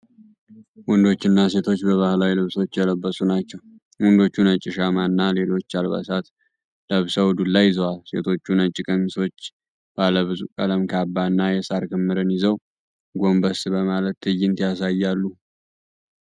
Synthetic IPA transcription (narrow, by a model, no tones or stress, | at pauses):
wɔnd̪o̞t͡ʃːɪnːase̞t̪ʰo̞t͡ʃːbəβahlawilɨβswot͡ʃːjɛləbːəsunat͡ʃːɛw | wɔnd̪o̞t͡ʃːunət͡ʃʼːɪʃamanːale̞lo̞t͡ʃːalβa̰sat̪ | ləβsəwd̪ulːajːɪzəwalse̞̰t̪ʰo̞t͡ʃːunət͡ʃʼːɪkʼəmiso̞t͡ʃː | b̥aləβɨzukʼələmkʰabːaɨnːajɛsaɾkʰɨmːɨɾɨnjɪzəw | ɡo̞mbəsbəmalət̪ʰːɨjːɪnt̪jasajːalːu